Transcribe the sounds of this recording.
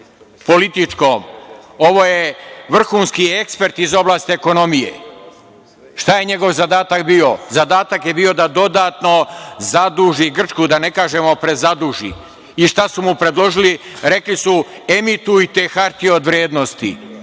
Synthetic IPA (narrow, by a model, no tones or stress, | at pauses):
po̞lit̪it͡ʃkoːmoʋo̞ːjeʋr̩xuːnskiekspe̞ɾt̪izo̞blˠaːst̪ieko̞no̞mijḛ | ʃt̪aje̞ɲeɡo̞ʋzad̪aːt̪akbiːo̞zad̪aːt̪akjebio̞d̪ad̪o̞d̪aːt̪no̞zad̪uːʒiɡr̩t͡ʃkud̪ane̞kaːʒe̞mo̞pɾe̞zad̪uːʒḭ | iʃt̪asumupɾe̞d̪lo̞ʒiliɾe̞klisu | emit̪uit̪e̞ːxaɾt̪io̞d̪ʋɾjeːd̪nost̪ḭ